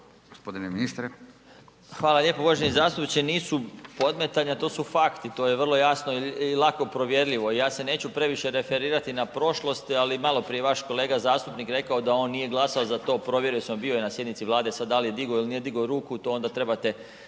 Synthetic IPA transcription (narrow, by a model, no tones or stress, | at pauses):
ɡ̥ospod̪ineminist̪ɾe | xʋaːlˠalʎe̞ːpoboʒenizaːst̪upt͡ɕeniːsupo̞d̪met̪aʎɲat̪o̞ːsufakt̪it̪o̞ːjeʋər̩lˠo̞jasnoilˠako̞pɾo̞ʋje̞ɾʎiʋo̞ijaːse̞ne̞ːt͡ɕupɾe̞ʋiʃe̞ɾe̞fe̞ɾiːɾat̪inapɾo̞ʃlˠo̞st̪alimalˠo̞pɾijeʋaʃko̞le̞ːɡazaːst̪upnikɾe̞kaod̪ao̞nːije̞ɡlˠasaozat̪o̞ːpɾo̞ʋje̞ɾujesemobiojenasjed̪nit̪siʋlˠaːd̪esad̪d̪ːalijed̪iɡo̞ilnije̞d̪iɡo̞ɾuːkut̪oːond̪at̪ɾe̞bat̪e̞